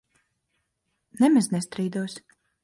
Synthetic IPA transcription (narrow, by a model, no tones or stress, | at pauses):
nɛmɛznɛst̪ɾiːd̪uɔs